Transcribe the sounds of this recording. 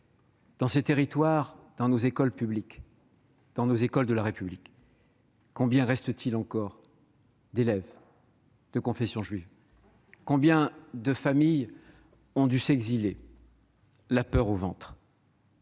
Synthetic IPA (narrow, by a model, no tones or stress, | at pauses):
d̪̥ɑ̃set̪eʁit̪waʁd̪̥ɑ̃nozekɔlpyblik | d̪̥ɑ̃nozekɔld̪əlaʁepyblik | kːɔ̃bjɛ̃ʁɛst̪ət̪ʰilɑ̃kɔʁ | d̪elɛv | d̪̥əkɔ̃fɛsjɔ̃ʒɥiv | kɔ̃bjɛ̃d̪əfamij | ɔ̃d̪ysɛɡzile | lapœʁovɑ̃t̪χ